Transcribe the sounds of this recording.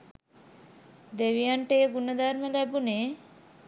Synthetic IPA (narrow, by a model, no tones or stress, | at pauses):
d̪eʋijaɳʈeɡunɐd̪aɾmelɛbune